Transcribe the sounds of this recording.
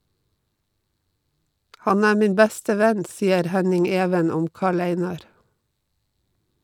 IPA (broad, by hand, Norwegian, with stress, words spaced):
ˈhɑn ˈæː ˈmiːn ˈbæstə ˈʋɛn ˈsiːəɾ ˈhænɪŋ ˈeːʋən ˈʊm ˈkɑːɭ ˈæɪnɑɾ